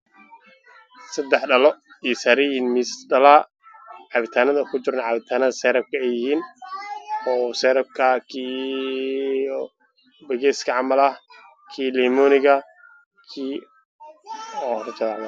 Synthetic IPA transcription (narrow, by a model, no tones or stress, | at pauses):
sɐd̪ɛħɖɐlɔ | isaɾɪɪnmisɖɐlɐ | ʕɑβɪt̪ʰaːnɐðɐkʰʊt͡ʃɪɾnʕɑβɪt̪ʰaːnɐðɐsɛɾɐb̚kʰɐɛjɪhiːn | ɔːsɛːɾɐb̚kʰɐkʰiː | bɐɣɛːskʰɐʕɑmɐlɐh | kʰiːliːmɔːnɪɣɐ | kʰiː | ɔːhɾɐt͡ʃɐlaʕðɐ